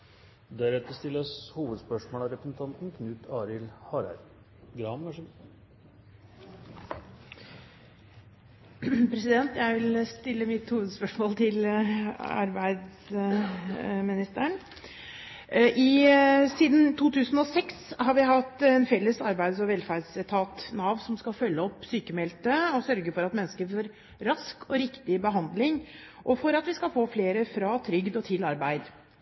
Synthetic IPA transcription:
d̪æɾɛt̪ːəɾst̪ɪlːəshuːʋəd̪spœʂmoːlɑɾɛpɾəsn̩t̪ʰɑnt̪n̩kʰnʉːt̪ʰɑːɾɪlhɑːɾæ̰ɾ | ɡɾɑːnʋæʂ | pʰɾɛsɪd̪ɛnt̪jæɪʋɪlst̪ɪlːəmɪt̪huːʋəd̪spœʂmoːlt̪ʰɪl | ɑ̰ɾbæɪd̪s | mɪnɪst̪əəɳ | ʔɪsiːd̪n̩t̪ʰuːt̪ʰʉːsn̩ɔsɛkshɑɾʋɪɦɑt̪ːɛnfɛlːəsɑɾbæɪd̪sɔʋɛlfæɾdsɛt̪ʰɑːt̪nɑːʋsɔmskɑlfœlːəɔpːsyːkəmɛlt̪əɔsœɾɡəfɔɾɑt̪mɛnːskəɾfoːɾ | ɾɑskʰɔɾɪkt̪ɪbəɦɑnd̪lɪŋ | ʔɔfɔɾɑt̪ʋɪskɑlfoːfleːɾəfɾɑːt̪ʰɾʏɡd̪ɔt̪ʰɪlɑɾbæɪd̪

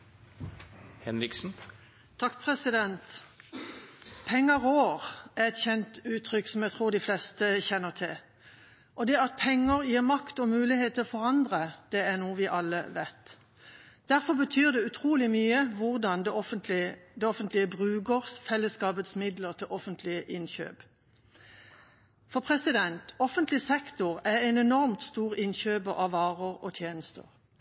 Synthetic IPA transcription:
hɛnɾɪksn̩ | t̪ʰːɑkːpʰʁɛsɪd̪ɛnt̪ | pʰɛŋːəʁoːʁæʁɛt̪çɛnt̪ʉːt̪ʰʁʏkːsɔmjæt̪ʰʁuːʁd̪ɪflɛst̪əçɛnːəʁt̪ʰɪl | ʔɔd̪ɛɑt̪̚pʰɛŋːəʁjiːʁmɑkt̪ɔmʉːlɪheːt̪ːɪfɔʁɑnd̪ʁəd̪̥ɛæʁnuːəʋɪʔɑlːə̰ʋæt̪ː | d̪̥æʁfɔʁbət̪ʰyːʁd̪ɛʉt̪ʰʁuːlɪmyːəʋʊʁd̪ɑnd̪ɛɔfənt̪lɪd̪ɛɔfənt̪lɪəbʁʉːɡəʁsfɛlːəskɑːbət̪smɪd̪ləʁt̪ʰɪlʔɔfənt̪ʰlɪəʔɪnçø̰ːb̥ | fɔpʰʁɛsɪd̪ɛnt̪ɔfənt̪lɪsɛkt̪ʊʁæɛnɛnɔʁmt̪st̪uːʁɪnçøːbəʔɑʋɑːʁəʁɔt̪ʰjeːnəst̪ə̰ʁ

